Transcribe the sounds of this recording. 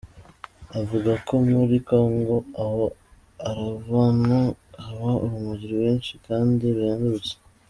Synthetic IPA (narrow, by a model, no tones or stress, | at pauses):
avuɡakʰo̞muɾikoŋɡo̞aho | aɾavanuhaβaʔuβumuɟiɾiβeːnʃikaːndiβeːnduut͡se̥